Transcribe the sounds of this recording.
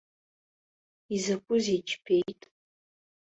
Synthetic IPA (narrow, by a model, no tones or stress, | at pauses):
izakʷʼʊzit͡ʃʰpʰejtʼ